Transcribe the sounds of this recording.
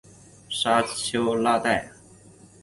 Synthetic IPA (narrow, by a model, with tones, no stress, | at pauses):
ʂa˥t͡ɕʰjo˥ʊla˥t̪a˥˩ɪ